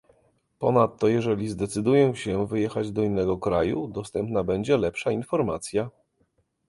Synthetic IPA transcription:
pɔnat̪ːɔjɛʐɛlʲizd̪ɛt̪sɘd̪ujɛɕɛvɘjɛxad͡ʑd̪ɔinːɛɡɔkɾajud̪ɔst̪ɛmpnabɛɲd͡ʑɛlɛpʂainfɔɾma̰t̪sʲja

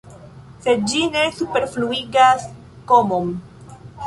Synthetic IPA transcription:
se̞d̚d͡ʒine̞supe̞ɾfluiɡas | ko̞mom

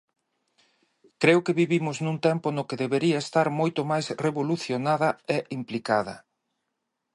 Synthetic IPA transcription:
kɾeʊkeβiβimʊznũnt̪ɛmpʊnʊkeðeβeɾiɐest̪aɾmojt̪ʊmajsreβoluθjonaðɐeʔimplikaðɐ̰

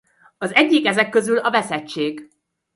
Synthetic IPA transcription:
ɒzɛɟːikɛzɛkːøzylɒvɛsɛt͡ʃːeːɡ

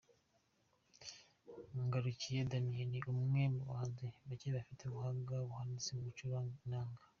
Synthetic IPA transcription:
ŋɡaɾucijedamijeniʔumŋemuwaːnzeβaceβafitʰeβuhaŋɡaβuhanisemuɡut͡ʃuɾanaːŋɡa

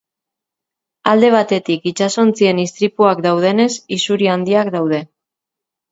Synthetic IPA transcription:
ald̪e̞β̞at̪e̞t̪ikit͡ʃaso̞nt͡sie̞nist̪ɾipuakd̪awð̞e̞ne̞sisuɾiand̪iakd̪awð̞e̞

